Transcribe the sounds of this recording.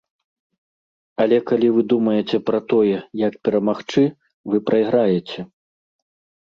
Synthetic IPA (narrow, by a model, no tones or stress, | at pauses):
ɐlʲɛkalʲivɨd̪umɐjɛt͡sʲɛpɾɐt̪ɔjɛjɐkpʲɛɾɐmaxt͡ʂɨ | vɨpɾɐjɣɾajɛt͡sʲɛ